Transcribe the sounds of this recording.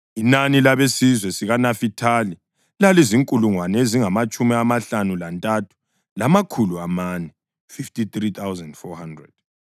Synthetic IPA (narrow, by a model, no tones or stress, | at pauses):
inanilaβesizwɛsiɣanafitʰali | laliziŋkʼuluŋwanɛeziŋamat͡ʃʼumiamaɬanulantʼatʰu̥ | lamakʰuluamanɛ | fiftit̪rit̪ʰawzɛndfɔhandrɛ̰d̥